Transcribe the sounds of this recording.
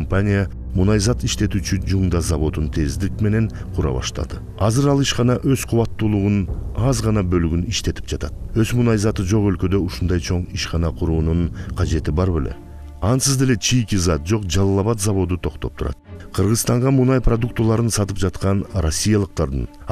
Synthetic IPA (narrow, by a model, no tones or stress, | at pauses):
mpanʲija | munɑjzɑt̪iʃt̪e̞t̪yt͡ʃyd͡ʒuɴd̪ɑzaβo̞t̪unt̪ʰe̞zd̪ik̚me̞ne̞nqʰuɾɑ̰βɑ̰ʃt̪ɑ̰d̪ɯ | ɑzɯɾɑlˠiʃqɑnɑʔø̞sqʰuwɑt̪ːuːlˠuʁunɑzʁɑnɑbø̞lyɡyniʃt̪e̞t̪ʰi̥p̚d͡ʒɑt̪ɑt̪̚ø̞smunɑjzɑt̪ɯd͡ʒo̞ʁø̞lkø̞d̪ø̞uʃund̪ɑjt͡ʃʰo̞ɴiʃqɑnɑqʰuɾuːnunqʰɑd͡ʒe̞t̪ibɑɾβɯlḛ | ɑnsɯzd̪e̞le̞t͡ʃʰijkʲizɑt̪̚d͡ʒo̞qd͡ʒɑlˠɑlˠɑβɑt̪zɑβo̞d̪ut̪ʰo̞qt̪o̞̰p̚t̪ʰuɾɑ̰t̪̚qʰɯɾʁɯzst̪ɑɴʁɑmunɑjprod̪uk̚t̪ulˠɑɾɯnsɑt̪ɯp̚d͡ʒɑt̪qɑnro̞sʲːijalˠəq̚t̪ɑɾd̪ɯ̰n